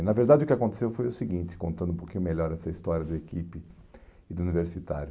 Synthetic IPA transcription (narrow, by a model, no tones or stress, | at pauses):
nɐveɾd̪ad͡ʒɪʊkɪakõnt̪e̥sewfojʊsɪɡĩnt͡ʃ̪ɪ̥kõnt̪ɐ̃nd̪ʊũpokĩɲʊmeʎɔɾɛsɐist̪ɔɾjɐd̪ɐekipɪ | ɪd̪ʊuniveɾsit̪a̰ɾjʊ